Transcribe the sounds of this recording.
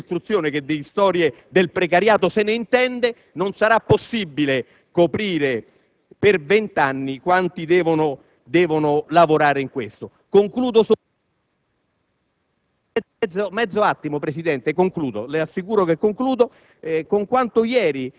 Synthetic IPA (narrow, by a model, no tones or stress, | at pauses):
st̪ɾut̪sːjoːneked̪ːest̪ɔːɾje | d̪elpɾekaɾjaːt̪osɪneint̪ɛnd̪e | nonsaɾapːosːibːile | kopɾiːɾe | pervent̪anːikwant̪id̪ɛːvono | d̪ɛːvonʊlavoɾaːɾeiŋkwest̪o | koŋkluːd̪os | omɛd̪zːoat̪ːimopɾesid̪ɛnt̪ekoŋkluːd̪o̰leasːikuːɾokekːoŋkluːd̪o | koŋkwant̪ʊjɛːɾi